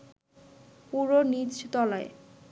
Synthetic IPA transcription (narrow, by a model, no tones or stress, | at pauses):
puɾonit͡ɕt̪ɔlae